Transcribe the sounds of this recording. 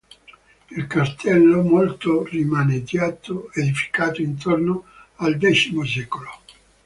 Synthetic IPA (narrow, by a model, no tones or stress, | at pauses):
ilkast̪ʰɛlːomolt̪orimaːned̪jaːt̪ʰoed̪ifi̥kaːt̪oint̪ʰornoald̪ɛt͡ʃimos̬ɛːkolo